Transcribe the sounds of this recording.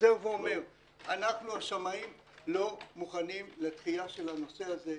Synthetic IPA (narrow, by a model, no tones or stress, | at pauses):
zeuveome̞ʁ | anaχnuaʃamaim | lo̞muχanimlet̪χiaʃe̞lano̞se̞aze̞